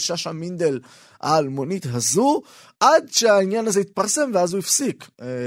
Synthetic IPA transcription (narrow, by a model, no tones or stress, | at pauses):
ʃaʃamind̪e̞l | a̰ːlmo̞nit̪ɦazu | ʔad̪ʃeainjanazeit̪̚paʁse̞mveazuifsik